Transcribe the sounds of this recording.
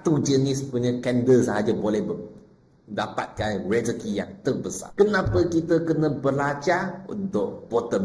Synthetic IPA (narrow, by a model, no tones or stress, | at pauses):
t̪ud͡ʒənɪspuɲə̃kɛndəsəɦad͡ʒabolɛhbə | dapa̰t̪̚kanrɛzəkijaŋt̪əbəsa̰kənãpəkit̪əkənəbəlat͡ʃaṵnt̪ʊʔ̚b̥ot̪əm